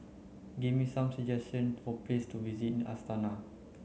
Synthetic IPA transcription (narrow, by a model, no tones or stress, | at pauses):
ɡivmisãmsəd͡ʒɛstə̃nfɔplestuvizitĩna̰stana